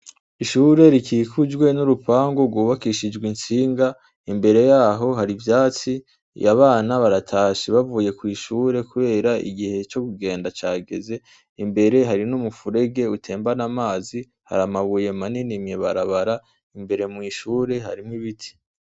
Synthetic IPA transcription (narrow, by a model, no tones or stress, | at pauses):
iʃuːɾe̞ɾikʰiːkʰud͡ʒɡwe̞nuɾupaːŋɡoɡwuːβakiʃid͡ʒɡwint͡siːŋɡa | imbe̞ɾe̞jaːɦo̞ɦaɾivjaːt͡si | jaβaːnaβaɾatʰaːʃiβavuːje̞kwiːʃuːɾe̞kuβe̞ːɾaḭɡihe̞t͡ʃo̞kuɡe̞ːndat͡ʃaːɡe̞̰ze̞ | imbe̞ɾe̞ɦaɾinumufuɾe̞ɡe̞utʰe̞ːmbanamaːzi | ha̰ɾamaβuje̞maninimjeβaɾaβaɾa | imbe̞ɾe̞mŋiʃuːɾe̞ɦa̰ɾimŋiβitʰi̥